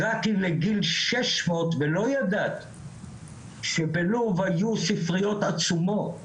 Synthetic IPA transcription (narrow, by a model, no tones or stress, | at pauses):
ʁat̪ileɡilʃeʃmo̞t̪velo̞jad̪at̪ | ʃebeluvhajusifʁijo̞t̪at͡sumo̞t